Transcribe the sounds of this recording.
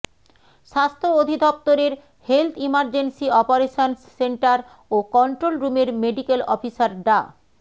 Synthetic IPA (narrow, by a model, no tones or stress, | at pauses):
ʃast̪ʰood̪ʱid̪ɔp̚t̪oɾeɾ | helt̪ʰimaɾd͡ʑensiɔpoɾeʃonseɳʈaɾ | okɔɳʈɾolɾumeɾmeɖikelɔfisaɾɖa